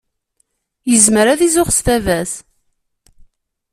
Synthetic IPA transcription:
jəzməɾæðizʊχsθævæs

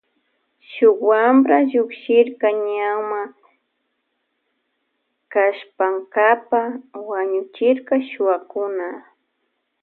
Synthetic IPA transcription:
ʃʊkwamɾaʎʊkʃɪɾkaɲawma | kaʃpaŋkapawaɲʊt͡ʃɪɾkaʃʊakʊna

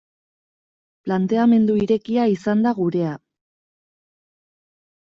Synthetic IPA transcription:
plant̪e̞ame̞nd̪uiɾe̞kiaisand̪aɣuɾe̞a

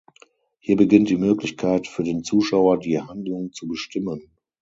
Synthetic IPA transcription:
hiːɐbəɡɪnt̚d̥iːmøːklɪçkʰaɪtfyːɐdeːnt͡suːʃaʊɐdiːhandlʊŋt͡subəʃtɪmən

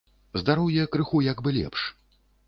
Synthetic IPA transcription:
zd̪aɾuwjɛkɾɨxujaɡbɨlʲɛ̰pʂ

